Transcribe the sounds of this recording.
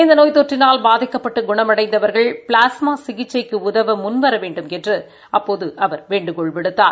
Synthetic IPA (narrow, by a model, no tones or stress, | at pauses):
ɪnd̪ɐnoːjt̪oʈrɪnaːlbaːðɪkːɐpːɐʈːɯɡʊɳɐmɐɽɐɪnd̪ɐʋɐɾɣɐɭpɭaːsmaːsɪɣɪt͡ʃːɐɪkːɯʊðɐʋɐmʊnʋɐɾɐʋeːɳɖɯmkɛndrɯ | ɐpːoːðɯʔɐʋɐɾʋeːɳɖɯkɔɭpɪɽɯt̪ːaːɾ